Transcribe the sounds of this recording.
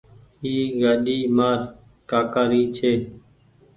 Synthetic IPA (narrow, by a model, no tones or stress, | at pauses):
hiːɡaːɗiːmaːɾ | kaːkaːɾiːt͡ʃʰeː